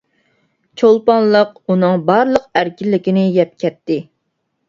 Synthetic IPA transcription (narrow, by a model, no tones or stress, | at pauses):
t͡ʃʰolˠpɑnlˠəqunɨŋbɑɾlˠəqæɾkʲilːɪkʲinɪjɛp̚kʲɛt̪ːɪ